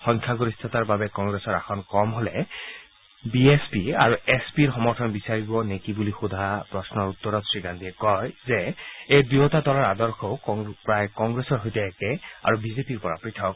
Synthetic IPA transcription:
xɔ̃ŋkʰaɡoɹist̪ʰataɹbabɛkɔŋɡɹesɔɹa̰xʰɔnkɔmɦolɛ | biespiaɹuespiɹxɔmɔɹtʰɔnbisaɹibɔnekibulixud̪ʱapɹɔsnɔɹut̪ːɔɹɔtsɹiɡandiɛkɔjzɛejdiotadɔlɔɹadɔɹxɔʊkpɹajkɔŋɡɹesɔɹɦojtɛːkɛa̰ɹubizepiɹpɔɹa̰pɹitʰɔk̚

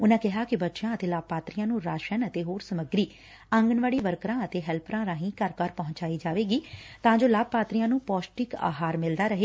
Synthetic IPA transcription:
ʊnãːkɪɦaːkɪbətːʃjãːət̪eːlaːb̚paːt̪ɾijãːnũːɾaːʃənət̪eːɦoːɾsəməɡɾiː | ə̃ŋɡənʋaːɽiːʋəɾkɾãːət̪eːɦɛlpʰɾãːɾãːɦĩːkəɾkəɾpɔɦʊ̃ɲt͡ʃaːiːd͡ʒaːʋeːɡiːt̪ãːd͡ʒoːlaːb̚paːt̪ɾijãːnũːpɔːsʈɪka̰ːɦaːɾmɪld̪aːɾəɦeː

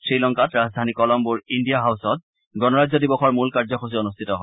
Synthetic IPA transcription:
sɹilɔŋkatɹazdʱanikɔlɔmbuɹindijaɦawsɔt̚ | ɡɔnɔɹazɔdibɔxɔɹmulkaɹzɔxʰos̬ionustʰitɔɦɔ

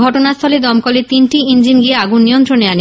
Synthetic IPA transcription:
ɔʈonast̪ʰɔled̪ɔmkɔlet̪inʈiind͡ʑinɡieaɡunːijont̪ɾoneane

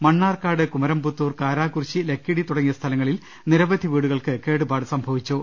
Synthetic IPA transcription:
mɐɳːaːrkaːɽɨkumɐɾɐmbut̪ːuːrkaːɾaːkurɕile̞kʰːiɽit̪uɽɐŋːijɐst̪ʰɐlɐŋːɐɭil | niɾɐbɐd̪ʱiʋiːɽuɣɐɭkɨke̞ːɽubaːɽɨsɐmbʱɐʋit͡ɕːu

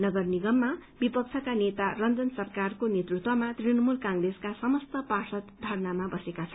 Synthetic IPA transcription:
nʌɡʌrniɡʌmːabipʌk̚t͡sʰʌkanet̪arʌnd͡zʌnsʌrkarkonet̪rut̪wʌmat̪rinʌmulkãŋreskasʌmʌst̪ʌpasʌt̪d̪ʱʌrnamabʌsekat͡sʰʌ

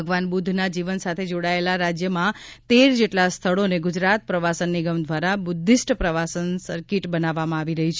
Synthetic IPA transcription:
əɡʋanbud̪ʱnad͡ʒiʋənsat̪ʰed͡ʒoɽaelaɾad͡ʒjəmãt̪eɾd͡ʒeʈlast̪ʰəɭoneɡʊd͡ʒɾat̪̚pɾəʋasənːiɡəmd̪ʱʋaɾabʊd̪ʱːisʈpɾəʋasənsəɾkiʈbənaʋːamãaʋiɾəɦit͡ʃʰ

